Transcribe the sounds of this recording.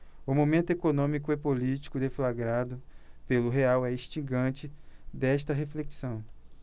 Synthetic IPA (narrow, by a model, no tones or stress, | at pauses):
ʊmomẽnt̪ʊekonõmikʊepolit͡ʃi̥kʊd̪eflaɡɾad̪ʊpelʊɦeawɛiʃt͡ʃĩɡɐ̃t͡ʃɪd̪ɛʃt̪ɐɦefleksɐ̃w̃